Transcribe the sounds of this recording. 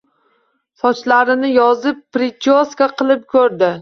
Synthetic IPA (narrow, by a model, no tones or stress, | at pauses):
sɒt͡ʃlaɾɪnɪjɒzɪpːɾɪt͡ʃoskaqʰɨlˠɪp̚kʲʰɵɾd̪ɪ